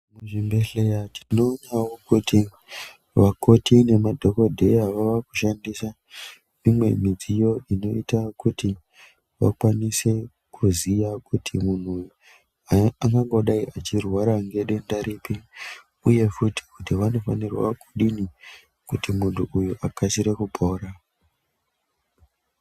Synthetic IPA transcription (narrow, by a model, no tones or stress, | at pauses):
muʐimbeɬejatʰi̥noːnawokuti | ʋako̞tine̞madʱo̞ko̞dʱe̞jaʋaʋakuʃandisa | mimwe̞̰mid͡zijo̞ino̞itakuti | ʋa̰kwanise̞ | kʰuzijakutʰimun̤u | aŋɡaŋɡo̞ɗaiʔat͡ʃirwaɾaŋɡe̞ɗe̞ndaɾipi | uje̞futi̥kutiʋano̞fanirwa̰kuɗini | kutimuntʰuʔujuʔakasiɾe̞kupo̞ːra